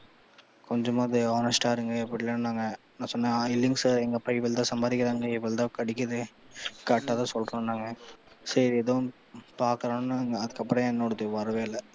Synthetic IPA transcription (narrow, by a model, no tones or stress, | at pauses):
kɔɲd͡ʒɐmaːðɯaːnɐsʈaːɪɾɯŋɡɐɛpːɐɽɪlannaːŋɡɐ | nãːsɔnːɐɪlːɪŋɡsɛŋɡɐpɐɪʋɪlt̪ãːsɐmbaːðɪkʲːɪɾaːŋɡɐɪʋɐlt̪ãːkɐɽɪk̬ʲːɐðɯkɐʈːaːt̪ãːsɔlɾõːnːaːŋɡɐ | sɐɾiɛðɐʋʊ̃ | paːɾkɐɾaːnnːaŋɡɐɐðɯkːɐpːɐɽɐ̃ɛnːoɽɐt̪ːɯʋɐɾɐʋeːlːɐ